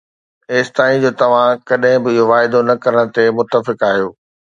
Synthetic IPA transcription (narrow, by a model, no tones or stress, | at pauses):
eːst̪aːĩd͡ʑoːt̪ɐʋ̤ãkɐɗɦɪ̃bɪɪɦoʋaːɪd̪onɐkɐɾəɽ̃t̪emʊt̪ːəfɪkaːɦijoː